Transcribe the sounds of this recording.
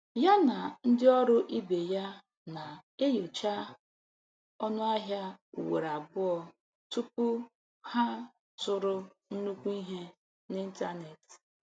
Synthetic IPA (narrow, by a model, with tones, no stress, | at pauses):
ja˦na˨n̩˦dɪ˦ɔ˦ɾʊ˦ʔi˦be˨ja˦ | na˨e˦jo˨t͡ʃa˦ | ɔ˦nʊ˦a˦ɦja˦u˨wḛ˨ɾa˨bʊ˦ɔ˦ | tu˦pu˦ | ha˦ | sʊ˦ɾʊ˦ | n̩˦nu˦kʷu˦i˦ɦe˦ | nɪ˦n̩˦ta˦ne˨t